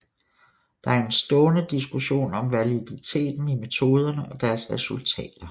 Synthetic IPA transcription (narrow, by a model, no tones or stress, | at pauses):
d̥ɑ̈æɐe̝nsd̥ɔ̽ːnəd̥isɡ̥uɕo̝̰ːnɒ̽mʋælid̥it͡sʰe̝̰ːd̥n̩ime̝t͡sʰo̝ːð̞ˠɐnəʔɒ̽d̥æɐsʁɛsult͡sʰɛ̰ːd̥ɐ